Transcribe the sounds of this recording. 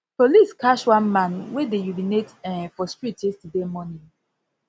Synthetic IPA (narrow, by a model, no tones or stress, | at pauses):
poliskʰaʃwãnmãnwedejuvinetɛ̃fɔstɹitestudemɔnĩ